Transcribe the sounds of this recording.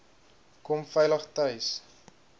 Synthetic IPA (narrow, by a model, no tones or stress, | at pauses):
kɔmfɛjləχtœɥs